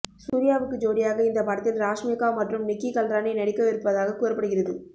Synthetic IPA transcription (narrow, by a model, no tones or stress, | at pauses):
suuːɾɪjaːʋɯkːɯd͡ʒoːɽɪjaːɣɐɪnd̪ɐpɐːɽɐt̪ːɪlɾaːʂmekːaːmɐʈrɯmnɪkːikɐldɾaːnɐɪnɐɽɪkːɐʋɪɾɯpːɐðaːɣɐkuːɾɐpːɐɽɯɣɪrɐðɯ